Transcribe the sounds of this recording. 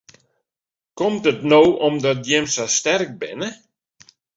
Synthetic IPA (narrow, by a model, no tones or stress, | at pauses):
kɔmtətnowʔɔmdɔt̚djɪmsastɛrk̚bɪ̰nə